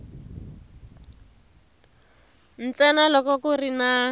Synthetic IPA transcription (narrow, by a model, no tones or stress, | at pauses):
n̩t͡sɛnalɔkɔkurina